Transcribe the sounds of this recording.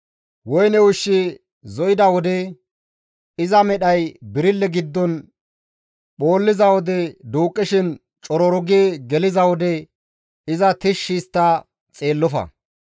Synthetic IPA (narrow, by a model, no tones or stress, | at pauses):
wɔjnɛwʊʃːɪ | zɔjɪd̪ɐwɔd̪ɛ | ɪzɐmɛɗɐjbɪɾɪlːɛɡɪd̪ːɔn | ɓo̞ːlːɪzɐwɔd̪ɛd̪uːkʼːɪʃɪn | t͡ʃʼɔɾɔɾʊɡeːɡɛlɪzɐwɔd̪ɛ | ɪzɐt̪ɪʃːɪst̪ːɐ | t͡sʼe̞ːlːɔfɐ̰